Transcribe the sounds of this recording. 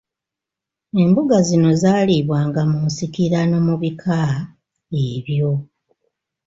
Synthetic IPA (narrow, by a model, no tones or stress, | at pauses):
e̞mbuɡazino̞zaːliβwaːŋɡamunsikiɾano̞muβikʰa | eβjo̞